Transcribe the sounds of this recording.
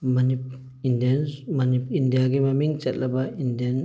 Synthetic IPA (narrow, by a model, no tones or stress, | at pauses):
manip̚ | indanmanipindijaɡimamiŋt͡ʃɛt̪̚labaindian